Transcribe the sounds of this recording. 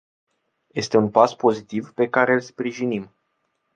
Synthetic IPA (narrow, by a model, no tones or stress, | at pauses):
je̞st̪e̞unpaspo̞zit̪ivpe̞kaɾeɨlspɾiʒinim